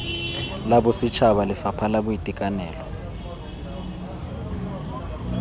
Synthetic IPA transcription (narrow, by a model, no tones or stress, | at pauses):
laɓɔsit͡ʃʰaɓalɪfapʰalaɓujitʼikʼanɛːlɔ